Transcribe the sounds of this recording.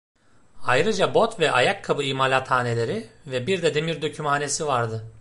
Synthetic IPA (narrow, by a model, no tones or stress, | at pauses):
ajɾɯd͡ʒabo̞t̪vɛʔajakʰːabɯimalʲat̪ʰhaːne̞lʲe̞ɾivɛbiɾd̪ɛd̪emiɾd̪ø̞cʰymaːne̞sivaɾd̪ɯ